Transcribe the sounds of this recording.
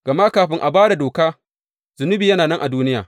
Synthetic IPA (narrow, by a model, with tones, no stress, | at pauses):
ɡ̥ɐ˨ma˦kaː˨ɸɪ˦ŋʔa˨baː˦ɽa˨doː˨kaː˦ | z̥ʊ˨nʊ˦biː˨jɐ˦naː˨nɐ˦ŋʔa˨duː˦nɪ˦ja̰ː˨